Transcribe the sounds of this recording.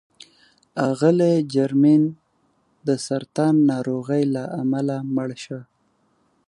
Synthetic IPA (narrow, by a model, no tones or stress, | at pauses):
ɑɣəled͡ʒaɾmin | d̪əsaɾt̪ɑnːɑɾoɣəjlaʔamalaməɽʃə